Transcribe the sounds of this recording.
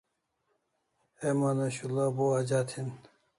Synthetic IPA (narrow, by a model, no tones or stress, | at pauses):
emanɐɕulaboad͡ʑat̪ʰin